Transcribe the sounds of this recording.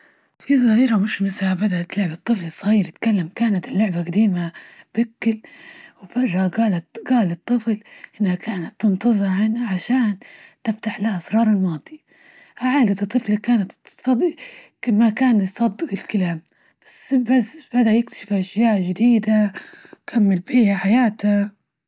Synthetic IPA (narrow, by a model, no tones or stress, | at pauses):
fizˤɑhiːɾamɪʃmɪshabad̪aʔt̪lʊʕbat̪ˤːɨflisˤɣiːɾt̪kalːamkaːnat̪ɪlːʊʕbaqad̪iːmab̥ɪkːɪlwfɑrˤːhaɡaːlat̪ɡaːlɨt̪ˤːɨflʔɪnːhakaːnat̪ːɨnt̪ˤɑzˤɨʕɪnhaʕaʃaːnt̪ɪft̪aħlahʔɑsɾˤɑːɾˤɪlmɑːd̪ˤi | ʔaʕaːd̪at̪ɨt̪ˤːɨflikaːnat̪sˤɑd̪ | makaːnjsˤɑd̪ːɨqɪlkalaːm | b̥asːbasbad̪aʔjɪk̚t̪ḁʃɪfʔaʃjaːʔʒɪd̪iːd̪akʰamːɪlbiːhaħajaːt̪a